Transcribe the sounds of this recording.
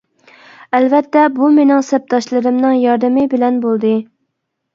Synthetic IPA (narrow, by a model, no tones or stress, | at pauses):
ɛlvɛt̪ːɛbumenɪŋsɛp̚t̪ʰɑʃlˠɨɾɨmnɨŋjɑɾd̪ɨmɪbɪlɛnbolˠd̪ɨ